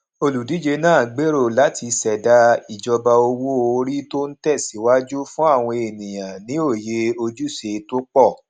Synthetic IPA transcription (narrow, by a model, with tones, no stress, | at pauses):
o˧lu˨di˨˦d͡ʒe˧nãː˦˨ɡ͡be˨˦ɾo˦˨la˨˦ti˧sɛ˨da˧i˨d͡ʒɔ˧ba˧o˧wo˦o˧ɾi˦to˦n̩˦tɛ˦˨si˨˦wa˦d͡ʒu˦fũ˦a˦˨w̃ɔ̃˧e˨nĩ˨j̃ã˨nĩ˨˦o˦˨je˧o˧d͡ʒu˦˨se˧to˦k͡pɔ˦˨